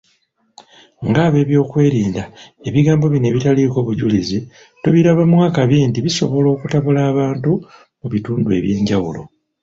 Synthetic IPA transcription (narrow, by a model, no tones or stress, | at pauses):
ŋɡaːβe̞ːβjo̞ːkwe̞ːɾiːndae̞βiɡaːmbo̞βine̞βitaliko̞ːβuɟulizi | tuβiɾaβamwaːkaβjentiβiso̞βo̞lo̞ːkutaβulaːβaːntu | muβituːndue̞̰βje̞ːɲɟawulo̰